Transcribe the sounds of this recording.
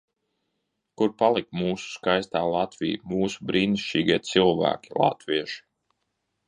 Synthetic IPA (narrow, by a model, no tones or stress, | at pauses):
kuɾpalˠikmuːsu̥skajst̪aːlˠat̪vḭjmuːsubɾiːniʃt͡ʃiːɡiɛt̪silˠvæ̰ːkʲi̥lˠa̰t̪viɛʃi̥